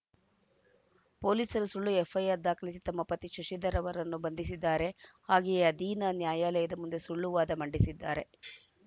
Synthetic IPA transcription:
po̞ːliːsɐɾusuɭːuefʰɐjɐɾd̪aːkɐlis̬it̪ɐmːɐpɐt̪iʃuʃid̪ɐɾɐʋɐɾɐnːubɐnd̪isid̪ːaːɾe̞haːɡɛjɐɐd̪iːnɐnjaːjaːlɛjɐd̪ɐmund̪e̞suɭːuʋaːd̪ɐmɐɳɖisid̪ːaːɾe̞

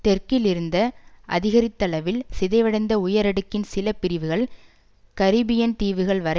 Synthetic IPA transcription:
t̪ɛɾkɪlɪɾɯnd̪ɐʔɐ̰ðɪɣɐɾɪt̪ːɐɭɐʋɪlsɪðɐɪʋɐɽɐɪnd̪ɐʊjɐɾɐɽɯkːɪnsɪlɐpɪɾɪʋɯɣɐɭ | kɐɾɪbɪjɐnt̪iːʋɯɣɐɭʋɐɾɐ

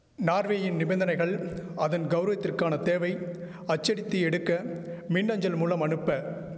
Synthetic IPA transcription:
naːɾʋeːjɪnnɪbɛnd̪ɐnɐɪɣɐɭɐðɐnɡɐʊɾɐʋɐt̪ːɪrkaːnɐt̪eːʋɐɪ | ɐt͡ʃːɐɽɪt̪ːɯɛɽɯkːɐmɪnːɐɲd͡ʒɐlmuːlɐmɐnɯpːɐ

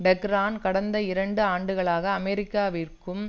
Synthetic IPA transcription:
bɛɡɾaːnkɐɽɐnd̪ɐɪɾɐɳɖɯaːɳɖɯɣɐɭaːɣɐːmɛɾɪkːaːʋiːrkɯm

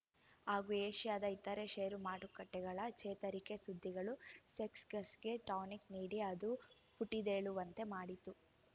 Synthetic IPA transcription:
aːɡueːʃijaːd̪ɐit̪ːɐɾeʃeːɐɾumaːʈukɐʈːɛɡɐɭɐt͡ʃɛːt̪ɐɾike̞sud̪ʱːiɡɐɭuseksɡɐsɡe̞ʈaːnikniːɽiɐd̪u | puʈːid̪eːɭuʋɐnt̪e̞maːɽit̪u

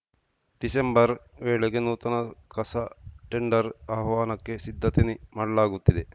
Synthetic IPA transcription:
ɖ̥isembɐɾʋeːɭeɡenuːt̪ɐnɐkɐsɐʈeɳɖɐɾɐbɐʋaːnɐkːesid̪ʱːɐt̪inimaːɽɐlaːɡut̪ːid̪e

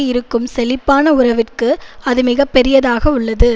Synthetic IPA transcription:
ɪɾɯkːɯmsɛlɪpːaːnɐʊɾɐʋɪrkɯɐðɯmɪɣɐpːɛɾɪjɐðaːɣɐʊɭːɐðɯ

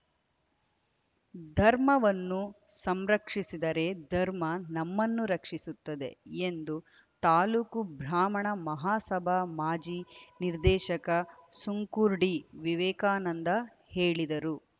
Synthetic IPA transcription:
d̪ʱɐɾmɐʋɐnːusɐmɾɐkʂisid̪ɐɾe̞d̪ʱɐɾmɐnɐmːɐnːuɾɐkʂisut̪ːɐd̪e̞̰end̪u | t̪aːlukubʱɾaːmɐɳɐmɐɦaːsɐbʱamaːd͡ʒiniɾd̪ɛːʃɐkɐsuŋkuɾɖiʋiʋɛːkaːnɐnd̪ɐ | heːɭid̪ɐɾu

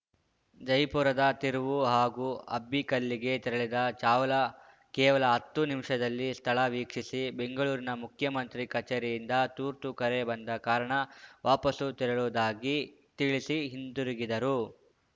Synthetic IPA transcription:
d͡ʒɐjpuːɾɐd̪ɐt̪iɾuʋuɦaːɡuːɐbːikɐlːiɡe̞t̪iɾɐɭid̪ɐt͡ʃaːʋɐlɐ | kɛːʋɐlɐɦɐt̪ːunimʂɐd̪ɐlːist̪ʰɐɭɐʋiːkʂisibe̞ŋɡɐɭuːɾinɐmukʰjɐmɐnt̪ɾikɐt͡ʃɐɾijind̪ɐt̪uːɾt̪ukɐɾe̞bɐnd̪ɐkaːɾɐɳɐʋaːpɐsut̪iɾɐɭuːd̪aːɡi | t̪iɭisiɦind̪uɾiɡid̪ɐɾu

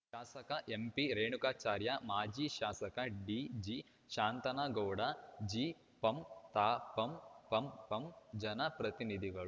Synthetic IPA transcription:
ʃaːsɐkɐʔempiɾeːɳukaːt͡ʃaːɾjɐmaːd͡ʒiːʃaːsɐkɐɖid͡ʒi | ʃaːnt̪ɐnaːɡɐwɽɐd͡ʒiː | pɐmt̪aːpɐmpɐmpɐmd͡ʒɐnɐpɾɐt̪inid̪ʱiɡɐɭ

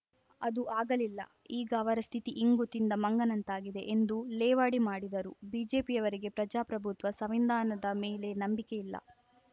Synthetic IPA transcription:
ɐd̪uʔaːɡɐlilːɐ̰ | iːɡɐːʋɐɾɐst̪ʰit̪iʔiŋɡut̪ind̪ɐmɐŋɡɐnɐnt̪aːɡid̪e̞ʔend̪ulɛːʋaːɽimaːɽid̪ɐɾubiːd͡ʒe̞ːpijɐʋɐɾiɡe̞pɾɐd͡ʒaːpɾɐbʱut̪ʋɐsɐʋind̪aːnɐd̪ɐmeːle̞nɐmbikejilːɐ̰

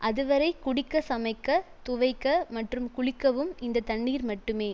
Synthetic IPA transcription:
ʔɐðɯʋɐɾɐɪkʊɽɪkːɐsɐmɐɪkːɐ | t̪ʊʋɐɪkːɐmɐʈrɯmkʊɽɪkːɐʋɯmɪnd̪ɐt̪ɐɳːiːɾmɐʈːɯmeː

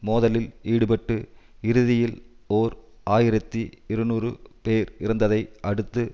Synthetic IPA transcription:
moːðɐlɪliːɽɯpɐʈːɯɪɾɯðɪjɪl | oːɾ | aːjɪɾɐt̪ːiɪɾɯnuːrɯpeːɾɪɾɯnd̪ɐðɐɪʔɐɽɯt̪ːɯ

